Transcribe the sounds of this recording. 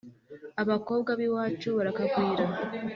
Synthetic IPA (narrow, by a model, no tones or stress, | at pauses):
aβako̞ːβɡaβiwat͡ʃoβaɾakakwiːɾa